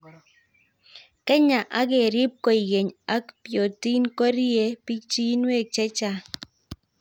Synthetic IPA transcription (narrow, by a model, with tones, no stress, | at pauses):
kɛ˦ɲa˨ʔa˦ɡɪ˨ɾɪ˦p̚kɔ˦i˨ɡe˨ɲa˦kpjo˨ti˦nkɔ˦ɾi˦je˦pi˦t͡ʃi˦nwe˦˨k̚t͡ʃɛ˦t͡ʃa˦